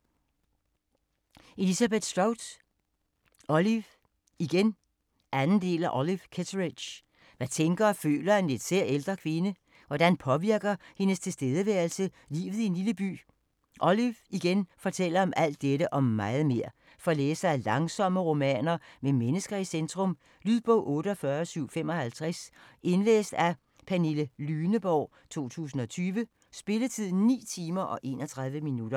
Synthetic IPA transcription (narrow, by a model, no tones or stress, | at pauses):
ʔe̝lisæb̥ed̥sd̥aʊd | ɒliʋ | iɡ̥en | ʔænn̩d̥e̝̰ːlæʔɒlifkʰet͡sʰʁi̥ɕ | ʋæt͡sʰeŋɡ̥ɐːfø̰ːlɐæne̝d̥seɐ̰eld̥ʁɐkʰʋe̝nə | ʋɒd̥ænpʰɒ̽ʋiɐɡ̥ɐhe̝nəst͡sʰe̝lsd̥eð̞ˠəʋæɐlsə | lḭːʋð̞̩ˠie̝nliləb̥y̰ː | ʔɒliʋiɡ̥enfɒ̽t͡sʰel̰ɐɒ̽mʔæl̰d̥ːeɾəʔɒ̽mːɑ̈ɪð̩ˠme̝ɐ̰ | fɒ̽lḛːsɐælɑ̈ŋsɒ̽məʁo̝mɛ̰ːnɐmemenəsɡ̥ɐisend̥ʰʁɔ̽m | lyðˠb̥ɔʊ̰ʔɔ̽ːɾəɒ̽fɶːɐsyʊ̰fem̰ɒ̽hælt͡sʰʁasʔe̝nlḛːsd̥æ | pʰæneləlyːnəb̥ɒʊ̰ | t͡sʰo̝̰ːt͡sʰṵːsn̩ɒ̽t͡sʰyːʋə | sb̥e̝lət͡sʰið̞̰ˠn̩nḭːt͡sʰiːmɐʔɒ̽ʔe̝̰ːnɒt͡sʰʁɑ̈ðˠʋəminud̥ɐ